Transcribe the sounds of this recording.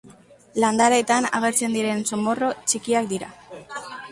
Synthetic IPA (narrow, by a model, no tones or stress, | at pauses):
land̪aɾaet̪ana̰ɣ̞e̞ɾt͡se̞nd̪iɾe̞nso̞mo̞ro̞t͡ʃikiakd̪iɾa